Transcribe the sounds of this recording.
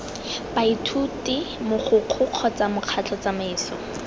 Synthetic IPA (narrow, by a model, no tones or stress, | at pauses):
baitʰutɪmʊχʰʊq͡χʰʊq͡χʰɔt͡samʊq͡χʰat͡ɬʰɔt͡samaiːsɔ